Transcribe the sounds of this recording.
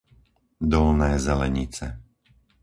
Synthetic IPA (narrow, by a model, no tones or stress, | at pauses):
d̪ɔlnɛːzɛlɛɲit͡sɛ